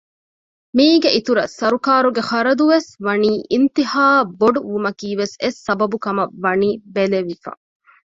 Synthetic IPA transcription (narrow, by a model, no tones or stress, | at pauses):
miːɡeʔit̪uɾɐsɐɾukaːɾuɡeχɐɾɐd̪uʋesʋɐniːʔint̪ihaːboɖuʋumɐkiːʋesesːɐbɐbukɐmɐʋːɐniːbeleʋifɐ̰